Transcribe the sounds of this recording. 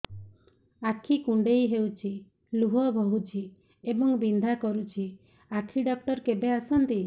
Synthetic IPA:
akʰikuɳɖejɦewt͡ʃʰi | luɦɔbɔɦut͡ʃʰi | ebɔŋbind̪ʱakɔɾut͡ʃʰi | akʰiɖɔk̚ʈɔɾkebeasɔnt̪i

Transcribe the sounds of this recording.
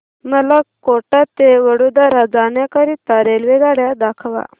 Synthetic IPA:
məlakoʈat̪eʋəɽod̪aɾad͡zanjakaɾit̪aɾelʋeɡaɽjad̪akʰʋa̰

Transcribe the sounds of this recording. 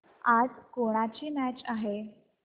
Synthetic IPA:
ad͡zkoɽ̃at͡ɕiːmæt͡ɕaɦe

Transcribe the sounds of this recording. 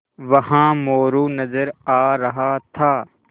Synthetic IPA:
ʋɐɦãːmoːɾuːnɐzəɾaːɾɐɦat̪ʰaː

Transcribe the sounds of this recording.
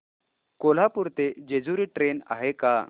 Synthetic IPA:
kol̤apuɾt̪ed͡ʑed͡zuɾiːʈɾena̰ɦeka

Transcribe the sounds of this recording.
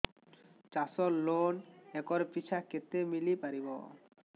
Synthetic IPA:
t͡ɕasɔlːonɛkɔɾpit͡ɕʰaket̪ːemilipaɾibo̰

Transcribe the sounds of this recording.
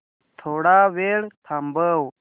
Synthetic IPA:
t̪ʰoːɽaːʋeːɽt̪ʰambəw

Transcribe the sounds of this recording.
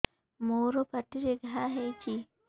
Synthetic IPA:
moːɾopɐʈːiɾeɡaɦaɦet͡ʃi

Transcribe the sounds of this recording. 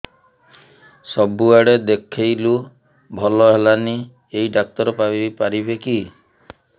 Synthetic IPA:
sɔbuaɽed̪ekʰejlu | bʱɔlɔɦelani | eiɖak̚t̪ɔɾɔpapaɾibeki

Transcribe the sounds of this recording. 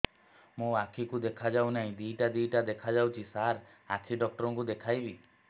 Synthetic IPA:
mũakʰikud̪ekʰad͡ʒawnaɦĩd̪iʈad̪ijʈad̪ekʰad͡ʒawt͡ʃʰisaɾ | at͡ʃʰiɖɔk̚ʈɔɾɔŋkud̪ekʰajbi

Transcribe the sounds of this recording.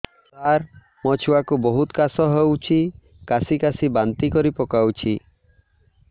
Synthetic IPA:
t̪aɾ | mɔt͡ʃʰuakubɔɦut̪kasɔɦewt͡ʃʰi | kasikasibant̪ikɔɾipɔkawt͡ʃʰi

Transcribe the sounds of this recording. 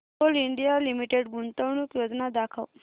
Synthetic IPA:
oliɳɖijalimiʈeɖɡunt̪əwɳukjod͡znad̪akʰəw

